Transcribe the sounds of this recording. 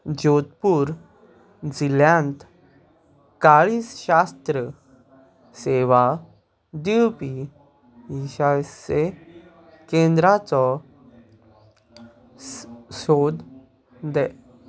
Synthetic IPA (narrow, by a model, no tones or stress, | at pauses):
d͡ʑot̪puːɾ | d͡ziljãnt̪ | kaɭiːsɕast̪ɾə | seʋa | d̪iwpi | iɕase | kẽnd̪ɾat͡sɔ | sod̪ | d̪ɛ